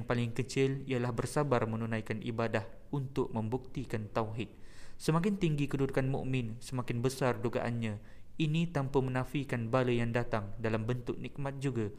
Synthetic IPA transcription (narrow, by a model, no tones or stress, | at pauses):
ŋpalɪŋkət͡ʃɪlialahbərsabarmənunãjkanʔḭbadah | unt̪ʊʔ̚mə̃mbuk̚t̪ikant̪awɦɪt̪̚səmak̬ɪnt̪iŋɡikədudukanmṵʔmɪ̃nsəmakɪnbəsarduɡa̰ʔanɲã | inĩt̪ampəmənãfikanbaləjaŋdat̪aŋdalambənt̪ʊʔnik̚mãt̪̚d͡ʒuɡa